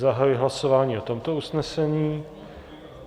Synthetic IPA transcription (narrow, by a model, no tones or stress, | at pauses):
zaɦajujɛɦlaso̞vaːɲiːot̪o̞mt̪o̞usnɛsɛɲiː